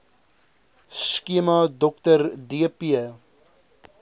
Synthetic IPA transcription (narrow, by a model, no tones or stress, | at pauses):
skiəmɑdɔk̚tərdiəpiə